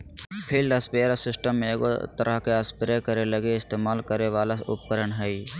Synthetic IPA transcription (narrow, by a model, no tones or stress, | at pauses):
pʰɪɾɖɐspeɾasɪsʈəmːẽːɡo̰t̪əɾʔəɦkeəspɪɾekəɾelɐɡeɪst̪eːmaːlkəɾeʋaːlasʊ̰p̚kəɾəɳɦɛi